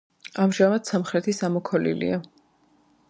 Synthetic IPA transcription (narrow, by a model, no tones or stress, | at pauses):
amʒamad̪̥samχɾɛt̪ʰisamɔkʰɔlḭlḭa